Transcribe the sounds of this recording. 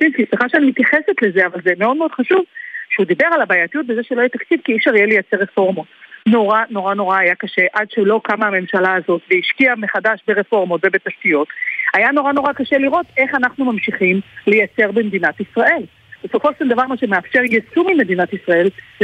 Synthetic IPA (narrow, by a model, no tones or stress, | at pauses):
inkisliχaʃeanimit̪jaχeset̪le̞zeavalzeme̞o̞d̪̚meo̞d̪χaʃuvʃeud̪ibe̞ʁalabaːjatijut̚bezeʃeloajat̪akt͡sivkiiʃaʁijelejat͡seʁefo̞ʁmo̞tno̞ʁano̞ʁano̞ʁaːjakaʃe̞ʔadʃelo̞kamaːme̞mʃalaːzo̞t̪veiʃkiame̞χadaʃbeʁefo̞ʁmo̞tve̞be̞taʃtijo̞tajano̞ʁano̞ʁakaʃe̞liʁo̞t̪e̞χanaχnumamʃiχimlejat͡se̞ʁbemed̪inat̪isʁaʔe̞l | b̥eso̞fo̞ʃʃeldavaʁmaʃemeafʃe̞ʁjesumime̞d̪inatisʁae̞l